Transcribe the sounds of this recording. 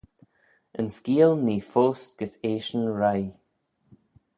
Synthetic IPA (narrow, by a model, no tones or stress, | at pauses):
ʔənskiːlˠniːfoːstɡ̥əseːʃənɹaj